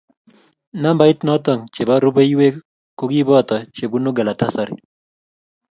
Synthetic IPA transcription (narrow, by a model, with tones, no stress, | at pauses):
na˦mba˨˦ɪ˦t̪nɔ˦t̪ɔ˨ŋt͡ʃe˨ba˦ɾu˦be˦i˦we˦ | ko˦ɡi˦bɔ˦˨t̪ɔ˨t͡ʃe˨bu˦nu˦ɡa˨la˨ta˦sa˨ɾḭ˨